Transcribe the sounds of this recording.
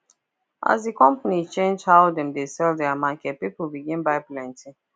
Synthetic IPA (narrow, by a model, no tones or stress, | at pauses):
ʔa̰zdikɔ̃mpanit͡ʃẽnd͡ʒhaʊdɛ̃mdesɛldɛamakɛt̚pipəl̩biɡɪ̃nbaɪplɛ̃ntɪ̃